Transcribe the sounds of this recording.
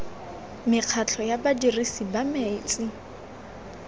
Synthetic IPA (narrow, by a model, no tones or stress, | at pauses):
mɪq͡χʰat͡ɬʰɔjabadirisibamet͡sʼɪ